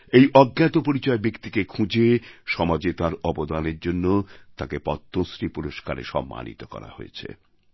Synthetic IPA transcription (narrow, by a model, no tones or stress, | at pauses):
ejʔɔɡːɛt̪opoɾit͡ɕɔebekt̪ikekʰũd͡ʑeʃɔmad͡ʑet̪aɾɔbod̪aneɾd͡ʑonːot̪akepɔt̪ʰːosɾipuɾoʃkaɾḛʃɔ̰mːa̰nḭt̪okɔ̰ɾa̰ho̰jḛt͡ɕʰḛ